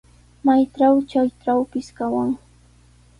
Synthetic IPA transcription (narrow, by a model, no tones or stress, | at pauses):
majʈ͡ʂawt͡ʃajʈ͡ʂawpɪskawaŋ